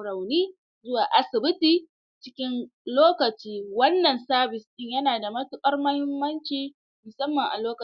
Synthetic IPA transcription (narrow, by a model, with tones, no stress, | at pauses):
ɽɐ˨wniː˦ | zʊ˦waː˨ʔa˨sɪ˨bɪ˦tiː˨ | t͡ʃɪ˦kʲɪ˦nloː˦kɐ˨t͡ʃiː˦wɐ˦nːɐ˨nsaː˦bɪ˨sʔɪ˦ɲjɐ˦naː˨da˨mɐ˦tʊ˦kʼɐ˦rmɐ˦hɪ˦mːɐ˦nt͡ʃiː˦ | mʊ˨sɐ˦mːɐ˨ŋʔa̰˨loː˦kɐ˨